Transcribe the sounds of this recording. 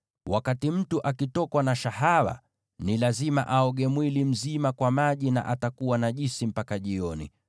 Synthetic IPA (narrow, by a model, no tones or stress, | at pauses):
wakatim̩tuʔakitɔkwanaʃaɦaɾa̰ | nilazima̰ʔaɔɠɛmwilim̩zimakwamaʄina̰ʔatakuwanaʄisim̩pakaʄiɔnḭ